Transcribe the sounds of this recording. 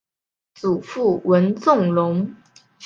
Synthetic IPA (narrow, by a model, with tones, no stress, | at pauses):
t͡su˨˩fu˥˩wə˧˥nt͡sʊ˥˩ŋlʊ˧˥ŋ